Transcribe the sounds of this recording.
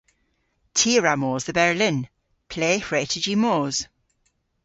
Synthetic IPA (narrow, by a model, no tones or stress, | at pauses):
tʰiəɹamɔːzðəbɛɹlɪ̃n | pʰl̥eːhɹɛtʰɪd͡ʒimoːz̥